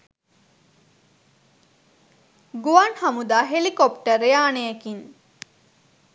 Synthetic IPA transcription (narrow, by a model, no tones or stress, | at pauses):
ɡuʋanhamud̪aːɦelikopʈərejaːnejəkin